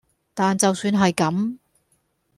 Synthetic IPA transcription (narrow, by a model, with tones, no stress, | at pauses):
t̪aː˨nt͡sɐ˨wsyː˨˧nɦɐ˨jkɐ˨˥m